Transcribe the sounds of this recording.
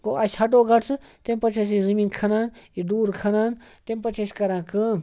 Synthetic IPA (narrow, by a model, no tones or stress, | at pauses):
koʔɐsʲhɐʈoːɡɐʈt͡sʰɨt̪empɐt͡ʃʰɐs̬izɐmiːnkʰɐnaːniɖuːɾkʰɐnaːnt̪empɐt͡ʃʰɐsʲkɐɾãːkɨ